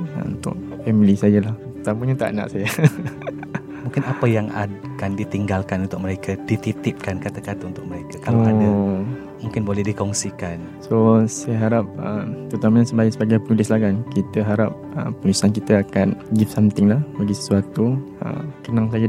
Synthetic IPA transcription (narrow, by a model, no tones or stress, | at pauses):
ə̰ṵnt̪ʊ̰ʔ̚ | fɛmilisajalah | t̪amaɲat̪a̰ʔna̰ʔsaja | mũŋkɪnapəjaŋa̰kandit̪iŋɡalkanunt̪ʊk̚məɾekʰadit̪it̪ɪp̚kankat̪akat̪aunt̪ʊk̚məɾekakalaa | mũŋkɪnbolɛhdikɔŋsikan | sosajaɦaɾap̚əmt̪əɾut̪amaɲasəbaɪʔsəbaɡajpənulɪslaɡankit̪əɦaɾap̚ə̰ːəlusank̬it̪əakanɡifsamt̪ɪŋlahbaɡisə̥suat̪uə̰mkənaŋs̬aja